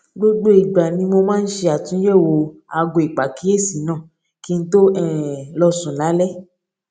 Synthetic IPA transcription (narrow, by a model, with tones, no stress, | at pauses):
ɡ͡bo˦ɡ͡be˦i˨ɡ͡ba˨nĩ˧˦mo˧mãː˦n̩˦ʃe˧a˨tũ˨˦jɛ˦˨wo˧a˧ɡo˨i˨k͡pa˨ki˦e˦˨si˨˦nãː˦˨ | ki˨˦n̩˦to˦ɛ˦˨lɔ˧sũ˨na˨˦lɛ˦